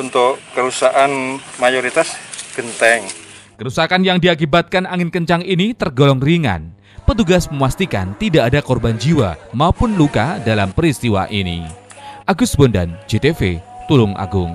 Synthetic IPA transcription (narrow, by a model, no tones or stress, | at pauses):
unt̪ʊʔːəɾusaʔanmajoɾit̪asɡ̥ənt̪ɛŋ | kəɾusakanjaŋdiak̬ibat̪̚kanaŋɪnkəɲt͡ʃaŋinit̪ərɡolɔŋriŋa̰n | pət̪̬uɡasməŋwast̪ika̰nt̪idaʔːdakɔrband͡ʒiwa̰maupʊnlukadalampəɾist̪iwa̰ʔinḭʔaɡʊsbɔnda̰nd͡ʒet̪efḛt̪ulʊŋʔa̰ɡʊŋ